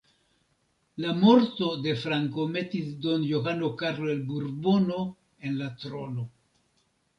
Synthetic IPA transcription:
lamo̞ɾto̞de̞fɾaŋko̞me̞tisdo̞njo̞ɦano̞kaɾloelbuɾbono̞ | e̞nlatɾo̞no̞

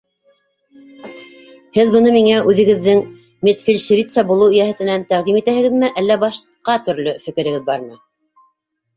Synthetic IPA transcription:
hɘðbɤ̆nɤmiŋæʔʉðɘ̆ɡɘ̆ðːɘŋ | mʲet̪fʲilʲʃɾʲit̪sɑbulˠɤwjæhæ̆t̪ɘ̆nænt̪æʁd̪imit̪æhɘ̆ɡɘ̆ðmɘʔælːæbɑʃ | qɑt̪ɵ̆ɾlɵfɘ̆kɘ̆ɾɘ̆ɡɘðbɑɾmɤ

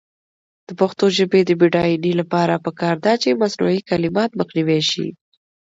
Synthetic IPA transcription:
d̪̥əpaxt̪oʒəbed̪əbiɖɑjinilapɑɾapəkɑɾd̪ɑt͡ʃemasnṵikalɪmɑt̪məxniweʃḭ

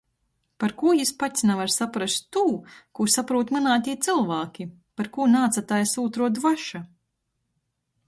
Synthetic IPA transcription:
paɾkuːjispat̪ʲsʲnavaɾsapɾast̪ːuːkusapɾuːt̪manaːt̪ʲiːt̪sɨlˠvaːkʲi | paɾkuːnaːt̪sat̪aːjsuːt̪ɾuɔd̪vaʃa

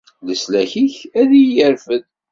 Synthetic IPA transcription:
ləslæçiçæðijəɾfəð

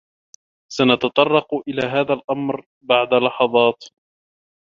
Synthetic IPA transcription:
sanɑt̪ɑt̪ˤɑrˤːɑqʔɪlaːɦaːðalʔamɾ | baʕd̪alɑħɑðˤɑːt̪

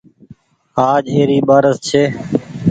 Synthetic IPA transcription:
aːd͡ʒeːɾiːɓaːɾəst͡ʃʰeː

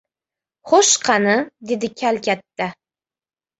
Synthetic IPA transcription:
χoʃqʰɑnɨd̪ed̪ɪkʲʰalkʲat̪ːa

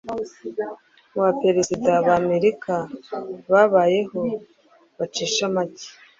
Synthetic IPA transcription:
βape̞ɾezidaβaːme̞ɾikʰaβaβaːje̞ho̞ | βat͡ʃiːʃamaci̥

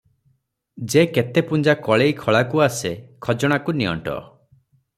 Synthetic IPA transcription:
d͡ʒeket̪epund͡ʒakɔɭejkʰɔɭakuasekʰɔd͡ʒɔɽ̃akuniɔ̰ɳʈɔ̰

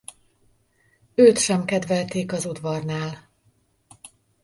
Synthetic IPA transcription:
øːt̪ʃɛmkɛd̪vɛlt̪eːkɒzud̪vɒrnaːl

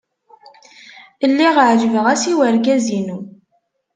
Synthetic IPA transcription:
əlːiʁʕd͡ʒəvəʁæsiwəɾɡæzinu

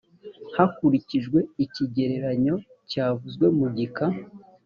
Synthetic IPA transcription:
hakuɾiciʒɡwe̞iciɟe̞ɾe̞ɾaɲo̞ | caːvuzɡwe̞muɟika

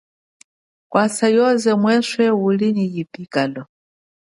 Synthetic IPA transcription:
kwasajɔzɛmwɛswɛulinijipʼikʼalɔ

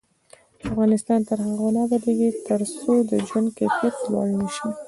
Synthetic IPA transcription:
afɣɑnɪst̪ɑnt̪əɾhaɣonɑbad̪aɡet̪ʰəɾsod̪əd͡ʒwand̪kefitlɑ̰lnəʃi

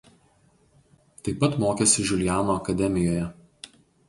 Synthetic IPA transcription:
t̪ɐɪpːɐt̪moːkʲɛsʲɪʒʲʊlʲjæːnoːɐkɐd̪ʲɛmʲɪjoːjɛ

